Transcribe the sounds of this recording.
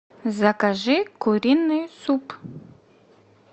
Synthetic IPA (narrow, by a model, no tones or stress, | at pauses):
zakaʒikuɾinesup